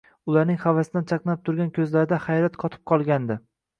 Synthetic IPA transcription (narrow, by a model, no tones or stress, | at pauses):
ʊlaɾnɪŋhavasɪd̪ant͡ʃʰɑqnap̚t̪ʰʊɾɡʲankʲʰɵzlaɾɪd̪ahajɾat̪qʰɒt̪ʰɪ̥p̚qʰɒlˠɡʲand̪ɪ